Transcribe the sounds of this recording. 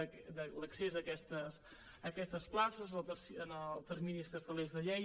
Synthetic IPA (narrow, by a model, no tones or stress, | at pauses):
d̪ələksezəkɛst̪əs | əkɛst̪əsplasəzˠt̪əsənəlˠt̪ərminiskəst̪əlezðəʎɛ